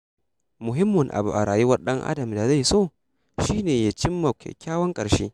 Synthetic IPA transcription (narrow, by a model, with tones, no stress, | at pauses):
mʊ˨ɦɪ˦mːʊ˨ŋʔa̰˨bu˨ʔa˨ɾaː˨ju˦wɐ˦rɗɐ˦ŋʔa̰˦dɐ˨mda˨za˦˨jsoː˦˨ | ʃiː˦neː˨ja˦t͡ʃɪ˦mːɐ˨kkʲaː˦wɐ˦ŋkʼɐ˨ʃḛː˦